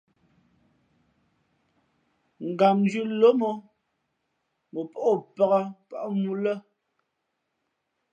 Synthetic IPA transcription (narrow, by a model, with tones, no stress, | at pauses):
ŋ̩˨ɡa˨md͡ʒʉ˦lo˦mɔ˦ | mo˨pɔ˦ʔɔ˦˨pə˦ɣə˦pa˦˨ʔmu˦lə˦